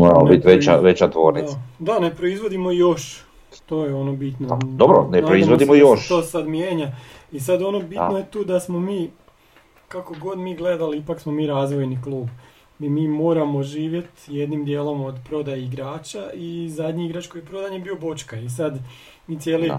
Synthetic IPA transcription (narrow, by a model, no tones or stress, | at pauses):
moɾamobbit̪ʋet͡ʃa̰ʋet͡ɕat̪ʋoːɾnid̪ane̞pɾo̞izʋo̞d̪imo̞ijo̞ʃ | t̪o̞jeo̞nobit̪nod̪obɾonepɾoizʋod̪imojoʃt̪oːsad̪mjeːɲaisad̪o̞no̞bit̪nojet̪uːd̪asmo̞miː | kako̞ɡo̞d̪miːɡle̞d̪aliipaksmo̞miːɾaːzʋo̞jniklˠuːb | imiːmo̞ːɾamo̞ʒiːʋje̞t̪je̞d̪nimd̪je̞ːlˠo̞mod̪pɾo̞d̪ajiɡɾaːt͡ʃaizad̪ɲiiɡɾat͡ʃkojepɾo̞d̪aɲebiːobo̞t͡ʃkaisad̪ | miːt̪sʲjeːli